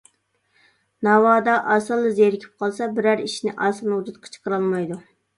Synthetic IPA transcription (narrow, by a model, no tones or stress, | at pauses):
nɑwɑːd̪ɑʔɑsɨlˠːɨzjeɾɪkʲʰi̥p̚qʰɑlˠsɑbɪɾæɾiʃinɪʔɑsɨnuɾɨt̪qʰə̥t͡ʃʰə̥qəɾɑlˠmɑjd̪u